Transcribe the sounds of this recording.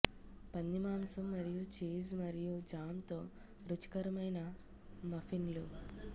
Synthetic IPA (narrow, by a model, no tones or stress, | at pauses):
pɐnːimaːmsɐmːɐɾijut͡ʃiːzmɐɾijud͡ʒaːmt̪o̞ː | ɾut͡ʃi̥kɐɾɐmɐjnɐ | mɐfʰinlu